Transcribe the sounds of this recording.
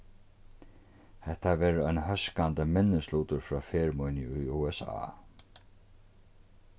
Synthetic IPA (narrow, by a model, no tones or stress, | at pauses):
hɛht̪ːaʋɛːɾœjnhœskant̪əmɪnːɪsluːt̪ʊɾfɾɔːfɛːɹmujnjɪʊjuːɛsa̰ː